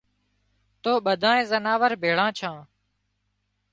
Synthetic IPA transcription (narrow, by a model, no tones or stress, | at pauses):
t̪oːɓəd̪ʱãːẽːzənaːʋəɾbʱeːɭãːt͡ʃʰãː